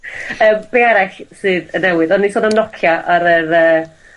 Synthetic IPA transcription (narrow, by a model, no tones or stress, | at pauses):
əːmb̥eaɾɛɬsɨðənɛwɪðɔnːisoːnanɔkʰjaʔaɾəɾəː